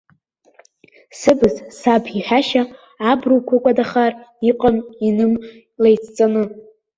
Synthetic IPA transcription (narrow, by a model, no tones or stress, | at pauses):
sɨbɨzsabiħʷᶣaʃaː | bruwkʷʰakʷʼadaχariqʼaminɨm | lejt͡sʰt͡sʼanɨ